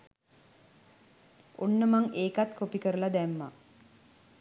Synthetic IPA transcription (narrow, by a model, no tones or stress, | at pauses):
onːəmaŋeːkat̪kopikəɾəlad̪æmːa̰